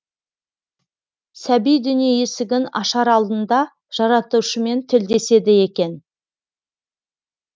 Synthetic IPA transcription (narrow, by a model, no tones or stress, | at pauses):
sæbijd̪ʏnijejesɪɡʲɪnɑʃɑɾɑlˠd̪ənd̪ɑ | ʒ̥ɑɾɑt̪uʃəme̞nt̪ʰɪld̪e̞se̞d̪ɪje̞kʲe̞n